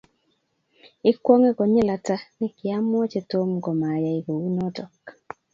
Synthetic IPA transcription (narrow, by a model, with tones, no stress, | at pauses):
ɪ˦kwɔ˦ŋɛ˦ɡɔ˨ɲɛ˦la˨ta˦nɪ˦kɪ˨a˦m˦ɔ˦t͡ʃe˨to˦mɡɔ˨ma˨ja˨i˨ɡo˨wi˦nɔ˦tɔ˨k